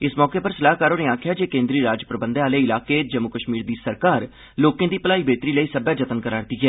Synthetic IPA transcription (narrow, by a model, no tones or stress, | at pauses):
ɪsmɔːkeːpəɾsəlaːɦkaːɾoːneːaːkʰjaːd͡ʒeːkẽːnd̪ɾiːɾaːd͡ʒpɾəbənd̪aːleːɪlaːkeːd͡ʒəmːʊkəʃmiːɾd̪iːsəɾkaːɾ | loːkẽːd̪iːpəlaːiːbeːt̪ɾiːləiːsəbaːd͡ʒət̪ənkəɾaːɾd̪iːɦɛː